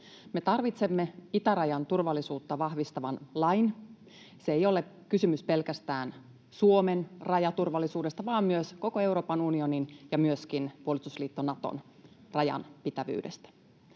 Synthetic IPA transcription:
me̞t̪ɑrʋit̪se̞mːe̞it̪æɾɑjɑnt̪urʋɑlːisuːt̪ːɑʋɑhʋist̪ɑʋɑnlɑjn | seejo̞le | kysymyspe̞lkæst̪æːn | suo̞me̞nrɑjɑt̪urʋɑlːˑisuːde̞st̪ɑʋɑːmmyøsko̞koe̞uwɾoːpɑnunio̞ninjɑmyøskinpuolist̪usliːt̪ːonɑt̪o̰nrɑjɑ̰npit̪æʋy̰ːde̞̰st̪æ̥

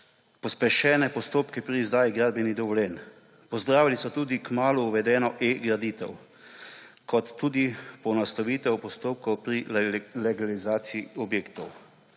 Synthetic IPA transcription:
pɔspɛʃɛːnɛpɔst̪oːpkɛpɾiːzd̪aːjiɡɾaːd̪bɛnid̪ɔʋɔljɛːn | pɔzd̪ɾaːʋilisɔt̪uːd̪ikmaːluːʋɛd̪ɛːnɔʔeːɡɾad̪iːt̪ɛ̰w | kʰɔt̪ːuːd̪ipɔnast̪ɔʋiːt̪ɛwpɔst̪oːp̚kɔwpɾilɛɡalizaːt̪siiɔbjeːkt̪ɔw

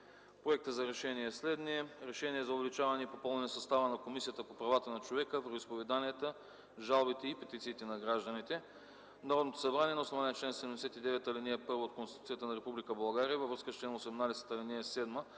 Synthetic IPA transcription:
pɾoɛk̚t̪əzɐɾɛʃɛniɛslɛd̪niɛɾɛʃɛniɛzɐʊvɛlit͡ʃavɐnɛipopɔlˠnɛnɛsɐst̪avənɐkomisijət̪əpopɾɐvat̪ənɐt͡ʃovɛkəvɾxʊispovɛd̪aniɛt̪ə | ʒalˠbit̪ɛipɛt̪it̪siːt̪ɛnɐɡɾaʒd̪ənit̪ɛ | nɐɾɔd̪not̪o̥sɐbɾaniɛnɐosovanɛɛt͡ʃlɛnsɛd̪ɛmd̪ɛsɛt̪id̪ɛvɛt̪ɐliniɛpɤɾvoot̪̚konsit̪usijət̪ənɐɾɛpublikəbɐlˠɡaɾiəvɐvɾɤskəst͡ʃlɛnosɛmnad̪ɛsɛ̥t̪ɐliniɛsɛd̪mə

